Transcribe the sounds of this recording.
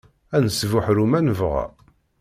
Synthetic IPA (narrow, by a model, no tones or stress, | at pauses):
ænəsvʊħɾumænəvʁæ̰